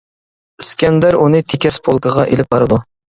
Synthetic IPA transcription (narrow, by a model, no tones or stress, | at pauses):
skʲɛnd̪æɾunɨt̪ʰekʲɛspʰolˠkʰəʁɑʔelɪp̚bɑɾɨd̪u